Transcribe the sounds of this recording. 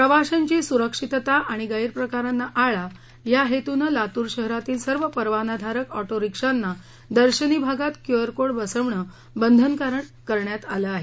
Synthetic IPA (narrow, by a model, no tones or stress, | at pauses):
pɾəʋaɕaɲt͡ɕiːsuɾəkʂit̪t̪aʔaɽ̃iɡaiɾpɾəkaɾanːaʔaɭa | jaɦet̪unəlat̪uːɾɕəɦɾat̪iːlsəɾʋəpəɾʋanad̪ʱaɾəkɔʈoɾikʂanːa | d̪əɾɕənibʱaɡat̪kjoəɾkoɽbəsəʋɳə | bənd̪ʱənkaɾəɳkəɾɳjat̪aləaɦe